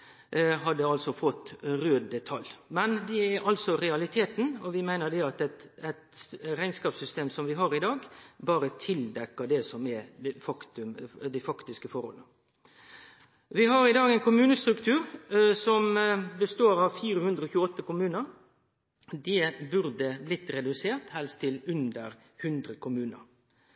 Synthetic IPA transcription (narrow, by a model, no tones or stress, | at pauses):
ɦɑd̪ːəɑlsɔfɔt̪ːɾøːd̪d̪ɛt̪ʰɑljmɛnd̪ɛæɾʔɑlsɔɾɛɑlɪt̪ʰeːt̪n̩ɔʋɪmæɪnəd̪ɛɑt̪ɛt̪ɛt̪ɾæɪnskɑːpsʏst̪eːmsɔmʋɪɦɑːɾɪd̪ɑːɡbɑːɾət̪ʰɪld̪ɛkːəd̪ɛsɔmɛd̪ɛfɑkt̪ʉd̪ɛfɑkt̪ɪskəfɔɾhɔ̰lnə | ʋɪɦɑɾɪd̪ɑːɡɛɪnkʰʊmʉːnəst̪ɾʉkt̪ʰʉːɾsɔmbəst̪oːɾɑʋfiːɾəhʉnd̪ɾəɔːçʉːəɔt̪ːəkʊmʉːnəɾ | d̪ɛbʉɾd̪əblɪt̪ːɾɛd̪ʉseːʁt̪hɛlst̪ʰːɪlʉnd̪əɾ | hʉnd̪ɾəkʰʊmʉːnə̰ɾ